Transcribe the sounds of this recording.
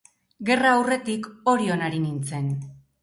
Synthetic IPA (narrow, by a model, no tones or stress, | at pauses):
ɡe̞raːwre̞t̪iko̞ɾio̞naɾinint͡se̞n